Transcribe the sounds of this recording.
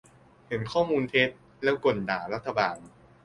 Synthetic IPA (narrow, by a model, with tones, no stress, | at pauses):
he˩˦nkʰɔː˥˩muː˧nt̪ʰe˦˥t̪̚ | lɛː˦˥˩wko˨˩n̚daː˩˦ɾa˦˥t̪ʰːa˧baː˧n